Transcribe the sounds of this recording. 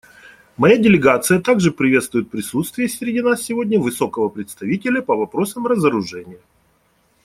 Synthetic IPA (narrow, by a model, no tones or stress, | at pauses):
mɐjadʲɪlʲɪɡat̪sɨjət̪aɡʐɨpɾʲɪvʲet̪st̪vʊjɪt̪̚pɾʲɪsut̪st̪vʲɪjəsʲɾʲɪdʲinasːʲɪvo̞dʲnʲəvɨso̞kəvəpɾʲɪt̪st̪ɐvʲitʲɪlʲəpəvɐpɾo̞səmrəzəɾʊʐɛnʲɪjə